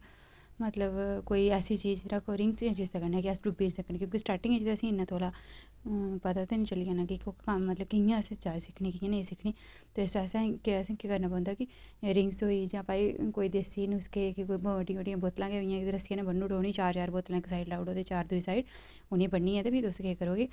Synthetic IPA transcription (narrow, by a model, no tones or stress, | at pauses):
mət̪ləbkoːiːɛːsiːt͡ʃiːd͡ʒɾəkʰoːɾɪ̃ŋɡsãːt͡ʃiːzt̪aːkəɾnaɛːkiɛsɖʊbiːɾsəkənkjõːkisʈaːɾʈɪ̃ŋɡet͡ʃt̪eəsĩːɪnːãːt̪ʰoːlaː | pət̪aːt̪eːnĩːt͡ʃəlɪjãːnaːkɪkoamət̪ləb̚kɪjãsd͡ʒaːd͡ʒsɪkʰniːkɪjãːnĩsɪkʰniː | t̪eːɪsɛːsãːkeɛsĩkekəɾnãːpə̃ːnd̪aːkɪɾɪ̃ŋɡsɦoːiːd͡ʒãːpaːiːkoːiːd̪eːsiːnʊskeːkɪkoiəɖijbəɖijãːboːt̪lãːkeɦojãːkd̪eɾəsɪãːnãbənːũːʈooːniːt͡ʃaːɾt͡ʃaːɾboːt̪lãːɪksaːiɖlaːʊɽoːd̪et͡ʃaːɾd̪ʊiːsaːiɖ | ʊnĩːbəɳːĩːɛ̃ːt̪eːbʱiːd̪oskeːkəɾoːɡiː